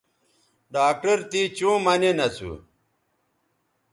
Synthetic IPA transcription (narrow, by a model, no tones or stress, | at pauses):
ɖaːk̚ʈɐɾt̪it͡ɕũːmɐnenɐt͡sṵ